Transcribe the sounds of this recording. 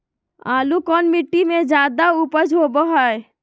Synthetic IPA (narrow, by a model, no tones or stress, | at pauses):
aːlukɔːnmɪʈːimẽd͡ʒaːd̪aupəd͡ʒoːbəɦae